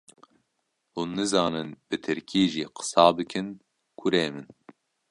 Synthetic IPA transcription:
uːnːɨzɑːnɨnb̥ɨt̪ʰɨɾkʰiːʒiːqɨ̥sɑːbɨkʰɨn | kʰʊɾeːmɨn

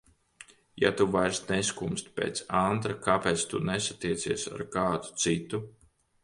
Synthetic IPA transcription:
ja̰t̪uvajɾsneskumst̪̚ʲpʲḛːt̪sant̪ɾakapeːt̪st̪unesḁt̪iɛt̪siɛsa̰ɾkaːt̪u̥t̪sit̪u

